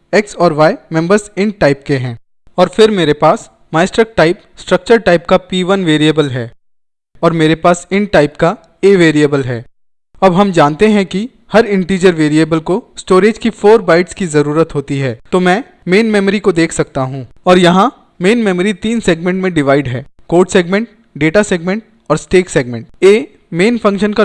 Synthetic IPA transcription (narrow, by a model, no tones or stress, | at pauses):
ɛksɔːɾʋaːemɛ̃mbəɾzɪ̃ɳʈ̚ʈaːɪp̚keɦɛ̃ː | ɔːɾfɪɾmeːɾepaːs | maːɪsʈɾək̚ʈaːɪp | sʈɾɐk̚t͡ʃəɾʈaːɪpkapiːʋənʋeːɾijəbəlɦɛː | ɔːɾmeːɾepaːsɪ̃ɳʈʈaːɪpka | eːʋeːɾiəbəlɦɛː | ɐbɦɐmd͡ʒaːnt̪eɦɛ̃ki | hɐɾɪ̃ɳʈiːd͡ʒəɾʋeːɾiebəlkosʈoːɾeːd͡ʒkifʰoːɾbaːɪʈskizɐɾuːɾət̪ɦoːt̪iɦɛːt̪omɛ̃ː | meːnmɛːməɾikod̪eːkʰsɐk̚t̪aɦũːɔːɾjɐɦã | meːnmɛːməɾit̪iːnseːɡmẽɳʈmẽɖɪʋaːɪɖɦɛːkoːɾɖseːɡmẽɳʈ̚ | ɖeːʈaseːɡmẽɳʈ̚ | ɔːɾsʈeːkseːɡmẽɳʈeː | meːnfɐ̃ŋkʃənka